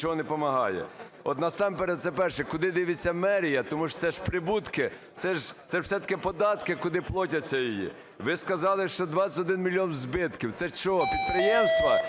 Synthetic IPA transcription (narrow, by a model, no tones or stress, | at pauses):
t͡ʃɔɦɔnɛpɔmɐɦɑ̰jɛ̰ | ɔt̪nɐsɑmpɛɾɛd̪t̪sɛpɛrʃɛkʊd̪ɪd̪ɪʋɪt͡sʲːɐmɛɾʲijɐt̪ɔmu̥sɛʃpɾɪbut̪kɪ | t̪sɛʒsɛw̥sɛt̪ɐ̥kɪpɔd̪ɑt̪kɪkʊd̪ɪplˠɔtʲɐt͡sʲːɐjijḭ | ʋɪskɐzɑlˠɪʃt͡ʃɔd̪ʋɑt͡sʲɐ̥tʲɔd̪ɪnmʲilʲːiɔnwzbɪt̪kʲiwt̪sɛt͡ʃɔɦɔpʲid̪̚pɾɪjɛmst̪ʋɐ